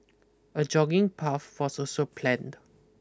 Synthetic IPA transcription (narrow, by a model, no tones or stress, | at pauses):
əd͡ʒɔɡɪ̃ŋpʰafwɔsɔsopʰlɛ̃nd